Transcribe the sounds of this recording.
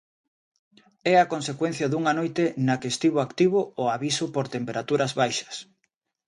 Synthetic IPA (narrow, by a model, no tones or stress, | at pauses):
ɛɐkonsekwɛn̟θjɐðuŋanojt̪enakest̪iβ̞ʊakt̪iβʊoaβisʊpoɾt̪empeɾat̪uɾɐzβajʃɐ̥s